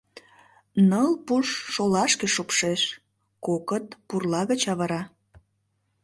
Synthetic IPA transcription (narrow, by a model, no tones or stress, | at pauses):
nəlpuʃːolɑʃkeʃopʃeʃ | kokət̪̚purlɑɣət͡ɕɑβəɾɑ